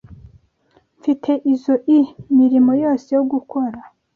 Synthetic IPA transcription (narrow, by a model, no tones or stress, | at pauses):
ɱfitʰe̞ʔizoʔimiɾimo̞jo̞ːse̞joɡukʰo̞ɾa